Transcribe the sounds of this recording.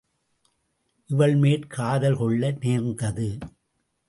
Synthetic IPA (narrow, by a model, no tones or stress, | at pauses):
ʔɪʋɐɭmeːʈkʰaːðɐlkɔɭːɐneːɾnd̪ɐðɯ